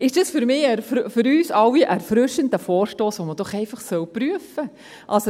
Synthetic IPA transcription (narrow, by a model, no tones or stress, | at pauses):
ɪʃd̥ɑsfʏɾmɪːæɾfɾfʏɾyːsɑwːiʔæɾfɾʏʃəndəfɔːɾʃtoːsʋoməd̥ɔχɛɪfɑχsœwpɾyəfə | ʔɑlso